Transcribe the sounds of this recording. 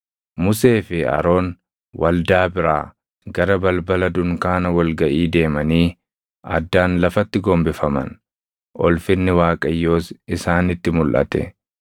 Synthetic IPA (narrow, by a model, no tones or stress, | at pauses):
mʊse̞ːfɪɐ̰ɾo̞ːn | wɐld̪aːbɪɾaː | ɡɐɾɐbɐlbɐlɐd̪ʊŋkaːnɐwɐlɡɐʔiːd̪e̞ːmɐniː | ɐ̰d̪ːaːnlɐfɐt̪ːɪɡɔmbɪfɐmɐ̰n | ʔɔ̰lfɪnːɪwaːkʼɐjːo̞ːsɪsaːnɪt̪ːɪmʊlʔɐ̰t̪ɛ̰